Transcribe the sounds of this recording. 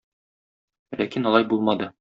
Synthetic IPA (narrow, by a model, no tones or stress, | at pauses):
læ̰kinɒlˠɑjbulˠmɑd̪ɤ